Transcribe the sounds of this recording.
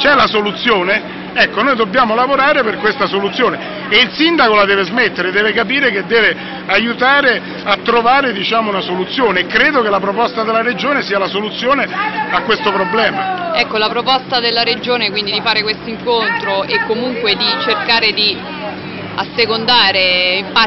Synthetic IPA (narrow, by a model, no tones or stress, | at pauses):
t͡ʃɛlasolut̪sːjoːne | ɛkːonoːjd̪obːjaːmolavoɾaːɾeperkwest̪asolut̪sːjoːne | eilsind̪akolad̪ɛːvezmet̪ːeɾed̪ɛːvekapiːɾek̟ed̪ːɛːve | ajut̪aːɾe | at̪ːɾovaːɾed̪it͡ʃaːmounasolut̪sːjoːneːkːɾeːd̪okelapɾopɔst̪ad̪elːaɾed͡ʒoːnesiːalasolut̪sːjoːneakːwest̪opɾoblɛːmaɛkːolapɾopɔst̪ad̪elːaɾed͡ʒoːnekwind̪id̪ifaːɾekwest̪oiŋkont̪ɾoʔekːomuŋkwed̪it͡ʃerkaːɾed̪i | a̰sːekond̪aːɾeimpa